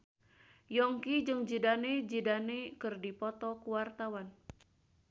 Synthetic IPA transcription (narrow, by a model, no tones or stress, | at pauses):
jɔŋkid͡ʒɨŋd͡ʒidaned͡ʒidanekɨrdipɔt̪ɔkuwart̪awan